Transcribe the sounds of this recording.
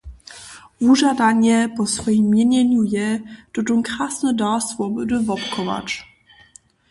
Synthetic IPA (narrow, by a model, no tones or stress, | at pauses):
vuʐad̪aɲɛpɔsfɔjimːjɛɲɛɲujɛd̪̥ɔdɔŋkɾasnɔdasvɔbɘd̪ɵvɔpkʰɔva̰t͡ʃ